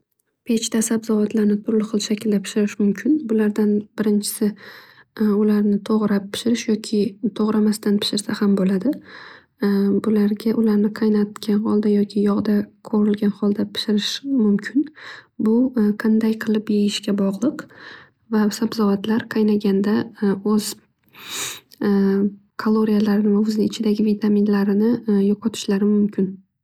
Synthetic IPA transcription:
pʰe̞t͡ʃt̪ʰasabzɒvat̪ʰlaɾnɪt̪ʰʊɾlɪχɨlˠʃakʲʰɪld̪apʰɪ̥ʃɪɾɪʃmʊmkʲʰɪnbʊlaɾd̪anb̥ɪɾɪnt͡ʃʰɪ̥sɪ | ʊlaɾnɪt̪ʰoʁɾapʰːɪ̥ʃɪɾɪʃjɒkʲʰɪt̪ʰoʁɾamast̪anpʰɪ̥ʃɪɾsahambolad̪ɪ | bʊlaɾɡʲaʔʊlaɾnɪqʰɑjnat̪kʲʰanhɒlˠd̪ajɒkʲʰɪjɒʁd̪aqʰoɾɪlɡʲanχɒlˠd̪apʰɪ̥ʃɪɾɪʃmʊmkʲʰɪnbʊqʰɑnd̪ajqʰɨlˠɪpjejɪʃkʲabɒʁlˠɨq | vasabzɒvat̪ʰlaɾqʰɑjnaɡʲand̪aɵz̥ | kʰalˠoɾijalaɾɪnɪvaʊzɪːt͡ʃʰɪd̪aɡʲɪvit̪ʰaminlaɾɪnɪjɒqʰɒt̪ʰɪ̥ʃlaɾɪmʊmkʲɪn

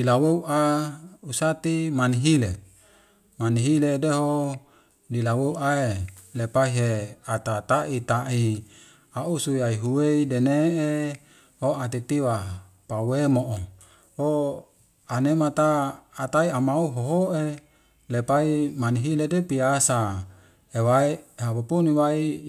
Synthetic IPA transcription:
lilaweuʔausat̪imaniɦile | maniɦiledeɦo | lilaweuaelepaiɦeat̪at̪aʔit̪aʔi | aʔusuiaiɦuweidenee | hoat̪it̪iwa | pawemoʔo | ho | anemat̪aːt̪aiamauɦoɦoʔe | lepaimaniɦiledepiasa | ewaiɦapupuniwai

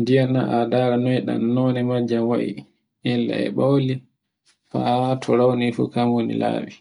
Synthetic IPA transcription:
ndijanaʔadaɾanɔɛɗa̰nːɔnɛmad͡ʒːamwa̰ʔḭ | ʔɛlːa̰ɛ̰ɓawli | fatʰɔɾawnifṵkamwonḭla̰ːwi

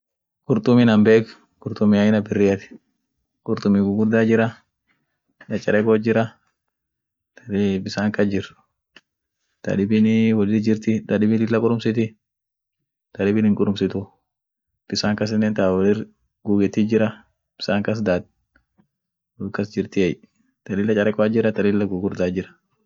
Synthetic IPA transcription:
kʼʊɾt̪ʼʊminɐmbeːk | kʼʊɾt̪ʊmɪajɪnɐbɪrːɪjɐt̪ɪ̥ | kʼʊɾt̪ʊmiɡʊɡʊɾd̪aːd͡ʒɪɾɐ | nɐt͡ʃʼːɐɾɛkod͡ʒɪɾɐ | t̪bɪsaːŋkɐd͡ʒɪɾ | t̪ɐ̰ᶑɪbɪnɪwɐlɪd͡ʒɪɾt̪ɪt̪ʼɐᶑɪbɪlɪlːɐkʼʊɾʊmsɪt̪ɪ | t̪ɐᶑɪbɪnhɪŋkʼʊɾʊmsɪt̪ʊ | b̥ɪsaːŋkɐs̬ɪnːeːnt̪awɐlɪr | ɡuːɡɛt̪id͡ʒɪɾɐ | b̥ɪ̥saːŋkɐs̬d̪aːd̪̚ | ukːɐsd͡ʒɪɾt̪ɪɛj | t̪ɐlɪlːɐt͡ʃʼɐɾɛkʼɔad͡ʒɪɾɐt̪ɐlɪlːɐɡʊɡʊɾd̪aːd͡ʒɪɾɐ̥

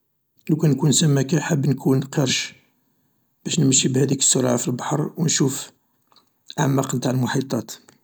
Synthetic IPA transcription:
lækænkunsəmːækæħəbːnkʰunqiɾʃ | b̥æʃnəməʃːibhæd̪ikə̥sːoɾʕafilbɑħɾˤwnʃuf | ʕa̰ʕmːæqnt̪aʕlmʊħit̪ˤɑt̪

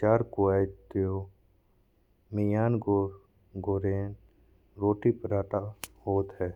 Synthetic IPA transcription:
t͡ʃaːɾkoaːɪt̪ːjo | mijaːnɡo | ɡoːɾeːn | ɾoːʈipɾaːʈahoːt̪ɦɛː

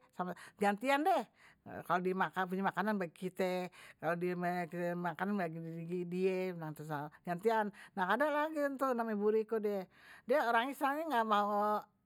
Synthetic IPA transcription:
samad͡ʒant̪iandɛhkalodiemakap̬uɲamakananbaɡikit̪ɛkalodiemkit̪ɛmakananbaɡiɡidienaŋt̪usad͡ʒant̪ianːahadalaɡint̪unamebuɾikodɛdiaoɾaŋisɾaŋeŋɡamaaʔ

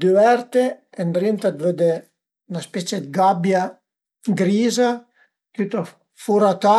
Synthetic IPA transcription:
d̪yɛɾt̪eend̪ɾint̪ad̪vød̪e | naspɛt͡ʃed̪ɡabja | ɡɾiːza | t̪yt̪a | fuɾat̪a

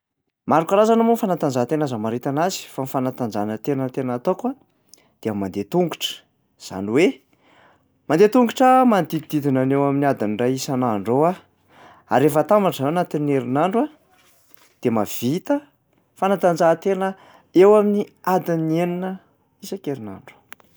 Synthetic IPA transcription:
maɾukaɾazanamunfanat̪and͡zaɦt̪enazamaɾit̪anazi̥fanfanat̪and͡zanət̪enət̪enat̪okwa | d̪̥eammːand̪et̪uŋɡuʈ͡ʂə̥ | z̥a̰niwe | mand̪et̪uŋɡuʈ͡ʂəmand̪it̪id̪id̪inanewaminiad̪iniɖ͡ʐaisanaɳɖ͡ʐowa | a̰ɾefat̪ambaʈ͡ʂaaanat̪ineɾinaɳɖ͡ʐwa | d̪̥emav̥it̪ə | fanat̪and͡zat̪enə | ewaminiad̪inieninə | isakeɾina̰ɳɖ͡ʐu̥

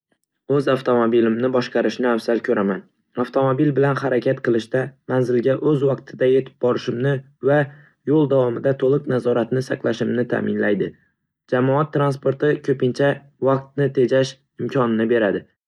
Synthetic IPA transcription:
ɵzaft̪ʰo̞mobilɪmnɪbɒʃqɑɾɪʃnɪawsalkʲʰɵɾaman | aft̪ʰo̞mobilbɪlanhaɾakʲʰat̪qʰɨlˠɪʃt̪amanzɪlɡʲaʔɵzwɑqt̪ʰɪd̪ajet̪ʰɪ̥p̚bɒɾɪʃɪmnɪ | va | jolˠd̪avwɒmɪd̪at̪ʰolˠɨqnazɒɾat̪nɪsaqlˠaʃɪmnɪt̪ʰa̰mɪnlajd̪ɪ | d͡ʒamɒat̪ʰːɾanspo̞ɾt̪ɪkʲʰɵpɪnt͡ʃʰa | vɑq̚t̪̚nɪt̪ʰe̞d͡ʒaʃ | ɪmkʲʰɒnɪnɪbe̞ɾad̪ɪ

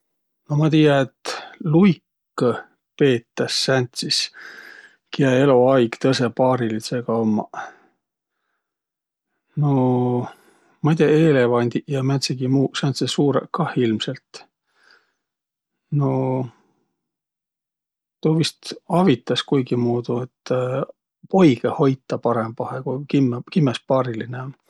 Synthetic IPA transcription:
no̞mɑt̪ijɑet̪lujkː | pe̞ːt̪ːˑɑsːænt̪sis | kiɑe̞loɑjɡ̥t̪ɤse̞pɑːɾilit̪seɡ̥ɑomːɑ̰ | no̞ | mɑjt̪ʲeɑeːle̞vɑnʲd̪̥ʲiʔjɑmæt̪siɡ̥imuːseont̪sesuːɾḛkːɑhilmse̞lt̪ | no̞ | t̪oːvist̪ɑvit̪ːˑɑskujɡ̥imuːd̪̥uet̪ː | po̞jɡ̥eho̞jt̪ːˑɑpɑɾe̞mb̥ɑhekukimːkimːespɑːɾilineon

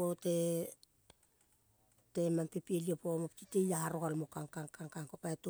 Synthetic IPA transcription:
ote | te̞mampepieliepomoptitejahaɾokalmokaŋkaŋkaŋkaŋkopaeto

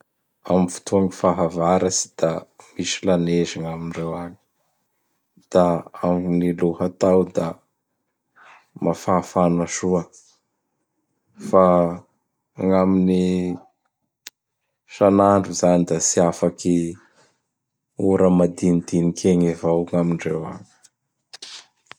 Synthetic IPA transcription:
amivu̥t̪ʰuaŋifaɦavaɾasi̥d̪̥amisilaneziŋaminirewaɲi̥ | d̪̥aaŋniluhat̪awd̪a | mafaːfanaʃuə | fa | ŋamini | ʃanaɳɖ͡ʐuzanid̪asiafaki | uɾəmad̪inid̪inikʰeŋevawŋamiɳɖ͡ʐewa̰ɲi̥

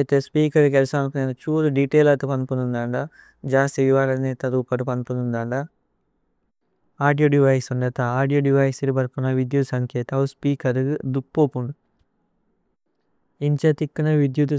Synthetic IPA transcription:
jt̪eːspiːkɐɾkelsaːnkunet͡ʃuːɾuɖiʈeːlɐt̪upɐnpunund̪ɐɳɖa | d͡ʒaːst̪iʋiʋaːɾɐneːt̪ɐɾuːkɐʈupɐnpunund̪aːɳɖa | aːɖijoːɖiʋɐjsuɳɖɐt̪aaːɖijoːɖiʋɐjsiɾibɐɾpunɐʋid̪jut̪sɐŋkɛːt̪ɐuspiːkɐɾd̪ukːoːpuɳɖu | iɲt͡ʃet̪ikːunɐʋid̪jut̪u

